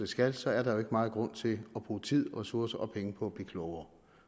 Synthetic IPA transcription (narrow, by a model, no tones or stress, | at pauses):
d̥e̝sɡ̥ælsɒ̽æɐɾɑ̈jo̝e̝ɡ̥əmɑ̈ːð̞̩ˠɡ̥ʁɔ̽n̰t͡sʰe̝lɒ̽b̥ʁṵːt͡sʰið̞̰ˠʁɛsuɐsɐʔɒ̽pʰeŋəpʰɒ̽æb̥liːkʰlɔʊɐ